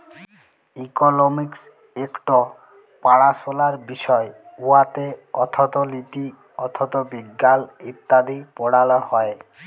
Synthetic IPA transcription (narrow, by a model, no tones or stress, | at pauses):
ikonomiks | ekʈɔ | paɽasolaɾbiʃɔeuat̪eɔt̪ʰɔt̪ɔlit̪i | ɔt̪ʰɔt̪ɔbiɡːalit̪ːad̪ʱipɔɽalɔhɔe